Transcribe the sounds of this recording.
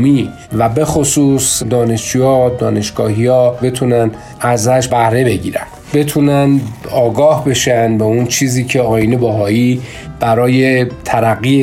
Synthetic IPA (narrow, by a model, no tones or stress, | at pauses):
miː | væbe̞xosuːsd̪ɒːne̞ʃd͡ʒujɒːd̪ɒːne̞ʃɡ̥ɒːhiɒːbe̞t̪ʰunæn | ʔæzæʃbæhɾe̞be̞ɟiːɾæ̰n̥be̞t̪ʰuːnænɒːɡɒːhbe̞ʃænbeunt͡ʃʰiːziːcʰe̞ɒːjinebæɦɒːiː | b̥æɾɒːjet̪ʰæɾæɣːi